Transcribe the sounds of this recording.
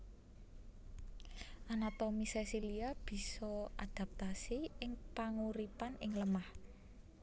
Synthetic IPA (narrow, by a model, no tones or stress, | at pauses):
ʔanat̪omisɛsiliab̥i̤sɔʔa̰d̪̥a̤p̚t̪asiɪŋpaŋuɾipanɪŋləmah